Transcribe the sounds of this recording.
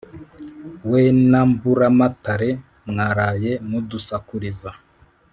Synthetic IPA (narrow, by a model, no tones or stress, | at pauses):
wenambuɾamataɾe | mŋaːɾajemudusakuɾiza